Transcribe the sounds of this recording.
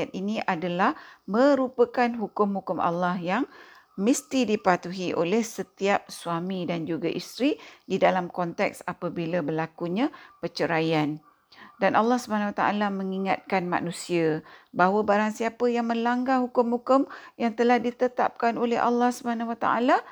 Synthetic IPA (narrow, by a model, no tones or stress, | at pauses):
at̪inĩʔadalahmə̃ɾupəkanɦukʊmhukʊma̰lːahjaŋ | məst̪idipat̪uɦiʔo̰lɛhsət̪iap̚suamĩdand͡ʒuɡaʔist̪ɾididalamkɔnt̪ɛ̰ksapabilabəlakuɲãpət͡ʃəɾajan | danʔalːahsubaanawat̪aa̰lamə̃ŋiŋa̰t̪̚kanma̰nũsiabaɦwəbaɾaŋsiapəjaŋmə̃laŋɡaɦukʊmhukʊmjaŋt̪əlahdit̪ət̪a̰p̚kanolɛ̰ɦʔa̰lːahsubəanawat̪a̰ʔa̰la